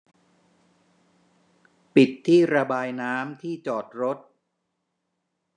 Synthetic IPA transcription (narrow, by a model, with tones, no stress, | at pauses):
pi˨˩t̪ʰːiː˥˩ɾa˧baː˧jnaː˦˥mt̪ʰiː˥˩t͡ɕɔː˨˩t̪̚ɾo˦˥t̪̚